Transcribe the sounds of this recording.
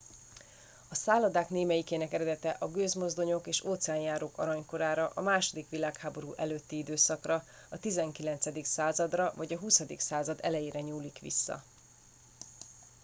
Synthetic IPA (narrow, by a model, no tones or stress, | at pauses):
ɒsaːlɒd̪aːkneːmɛjikeːnɛkɛɾɛd̪ɛt̪ɛʔɒɡøːzmo̞zd̪o̞ɲo̞keːʃoːt̪sɛaːnjaːɾoːkɒ̰ɾɒɲko̞ɾaːɾɒʔɒmaːʃo̞d̪ikʋilaːkhaːbo̞ɾuːʔɛløːt̪ːiid̪øːsɒkrɒ | ɒt̪izɛŋkilɛnt̪sɛd̪iksaːzɒd̪rɒvɒɟɒɦusɒd̪iksaːzɒd̪ɛ̰lɛjeːɾɛɲuːlikʋḭsːɒ̰